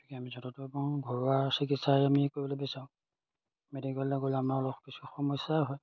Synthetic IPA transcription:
tʰi̥kɛamizɔtɔtɔbɔŋɡʱɔɹasik̬itsajamikoɹibɔlobesaʊ̃ | mediɡɔllaɡolamaɔlɔxkisʰuxɔmɔsaɦɔj

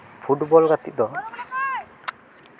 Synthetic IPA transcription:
pʰuʈbɔlɡat̪id̪ɔ

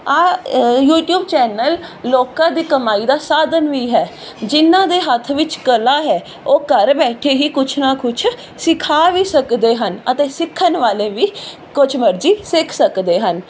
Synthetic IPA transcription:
aːjuːʈjuːbt͡ʃɛːnəlːoːkãːd̪iːkəmaːiːd̪aːsaːd̪ənʋiːɦɛː | d͡ʒɪnːãːd̪eːɦət̪ʰʋɪt͡ʃkəlaːɦɛː | oːkəɾbɛːʈʰeːɦiːkʊt͡ʃʰnaːkʰʊt͡ʃʰ | sɪkʰaːʋiːsəkd̪eːɦənət̪eːsɪkʰːənʋaːleːʋiː | kʊt͡ʃʰməɾd͡ʒiːsɪkʰsəkd̪eːɦən

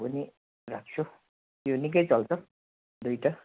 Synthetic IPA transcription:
ʌni | rak̚t͡sʰo | jonik̬ʌjt͡sʌlt͡sʰʌ | d̪ujʈa

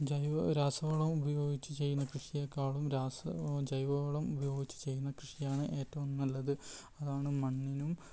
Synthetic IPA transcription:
d͡ʑɐjɾaːsɐʋɐɭɐmubɐjo̞ːɡit͡ɕːɨt͡ɕe̞jːunːɐkrɨʂijekːaːɭumɾaːsɐd͡ʑɐjʋɐʋɐɭɐmubɐjo̞ːɡit͡ɕːɨ̥t͡ɕe̞jːunːɐkrɨʂijaːɳɨʔe̞ːtːɐʋumnɐlːɐðɨ | ɐðaːɳɨmɐɳːinum

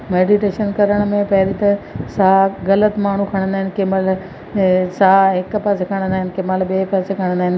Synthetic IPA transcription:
meːɖiʈeːʃənkɐɾəɽ̃mẽpɐɦɪɾit̪ɐsaːɣɐlət̪maːɳ̤ukʰɐɽ̃ə̃nd̪aːɦɪnɪ̆keməl | saːɦɪkpɐsekʰɐɽ̃nd̪aːɪnɪ̆keməlɓeːpɐːsekʰɐɽ̃nd̪aːɦɪn

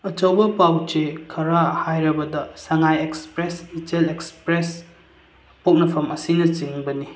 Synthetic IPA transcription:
ɐt͡ʃɐwbɐpawt͡ʃekʰɐɾahajɾɐbɐdɐsɐŋajekspɾesitelekspɾes | pok̚nɐpʰɐmɐsinɐt͡ʃiŋbɐni

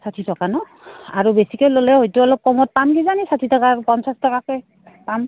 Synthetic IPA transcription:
satʰitʰɔkanɔ | aɹubesikɔjlolɛɦojtuɔlɔk̚kɔmɔt̚pamkizanisatʰitɔkapɔnsastɔkakɛj | pam

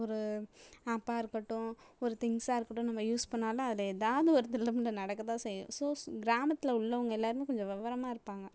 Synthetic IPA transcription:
ɔɾɯaːpːaːɪɾɯkːɐʈːʊ̃ɔɾɯt̪ɪŋsaːɪɾɯkːɐʈːʊ̃nɐmːɐjuːspɐɳːaːlɐ̃ɐðɪlɐeðaːʋɐðɯɔɾɯt̪ɪlːɐmɪlːɐnɐɽɐkːɐt̪ãːsɛjʊ̰̃soːɡɪɾaːmɐt̪ːɪlɐʊɭːɐʋɐŋɡɐɛlːaːɾɯmeːkɔɲd͡ʒɔ̃ʋɐʋɐɾɐmaːɪɾɯpːaːŋɡɐ

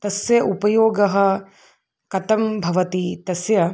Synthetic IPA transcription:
t̪ɐsjɐʔupɐjoːɡɐɦɐ̆ | kɐt̪ɐmbʱɐʋɐt̪it̪ɐsjɐ

